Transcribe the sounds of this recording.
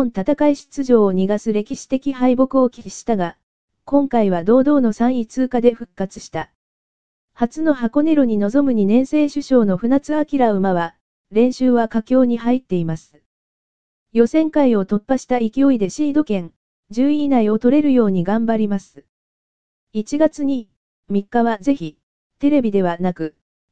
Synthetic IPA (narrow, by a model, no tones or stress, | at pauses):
õnt̪at̪akaiɕi̥ɨ̥t͡sɨʑo̞ːɲ̟iɡasɨɾe̞kʲiɕi̥t̪e̞kʲihaibo̞kɯ̟o̞kʲiɕi̥t̪aɡa | kõ̞ŋkaiβ̞ad̪o̞ːd̪o̞ːno̞sãɰ̃it͡sɨːkad̪e̞ɸɯ̟kːat͡sɨ̥ɕi̥t̪a | hat͡sɨno̞hako̞ne̞ɾoɲ̟ino̞zo̞mɯ̟ɲ̟inẽ̞ɰ̃se̞ːɕɨɕo̞ːno̞ɸɯ̟nat͡sɨakʲiɾaɯ̟maβa | ɾẽ̞ɰ̃ɕɨːβakakʲo̞ːɲ̟iɦait̪ːe̞imasɨ̥ | jo̞sẽ̞ŋkaio̞t̪o̞pːaɕi̥t̪aikʲio̞id̪e̞ɕiːd̪o̞kẽ̞ŋ | d͡ʑɨːinaio̞t̪o̞ɾe̞ɾɯ̟jo̞ːɲ̟iɡãmbaɾʲimasɨ̥ | it͡ɕiɡat͡sɨɲ̟i | mʲikːaβaze̞çi | t̪e̞ɾe̞bʲid̪e̞β̞anakɯ̟